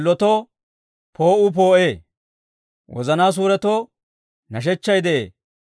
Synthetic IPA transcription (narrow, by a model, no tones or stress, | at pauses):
lːɔt̪ɔ | pʰoːʔʊp̬o̞ːʔeː | wɔ̰zɐnaːs̬uːɾɛt̪o | nɐʃ̬ɛt͡ʃːɐjd̪ɛʔeː